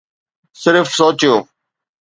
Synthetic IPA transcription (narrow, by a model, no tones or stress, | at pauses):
sɪɾfsoːt͡ʃjoː